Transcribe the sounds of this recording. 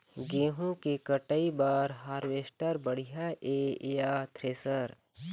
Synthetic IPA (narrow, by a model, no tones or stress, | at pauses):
ɡeːɦũkekəʈəibaːɾɦaːɾʋeːsʈəɾbəɽ̤ijaʔeːjat̪ʰɾeːsəɾ